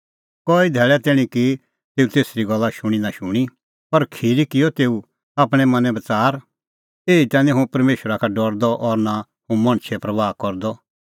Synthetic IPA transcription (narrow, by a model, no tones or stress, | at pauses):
kɔːid̪ʱɛːɭɛt̪ɪɽ̃ĩki | t̪eːut̪eːsɾiɡɐlːaʃʊɽ̃inaʃʊɽ̃i | pɐɾkʰiːɾikɪjɔt̪eːu | aːpɽ̃ɛ̃mɐ̃nɛ̃bɐt͡saːɾ | eːit̪ɛ̃ːnĩɦũpɐɾmeːʃɾakʰaɖɔɾd̪ɔʔɔɾna | hũmɐ̃ɽ̃t͡ʃʰɛpɾɐʋaːkɔɾd̪ɔ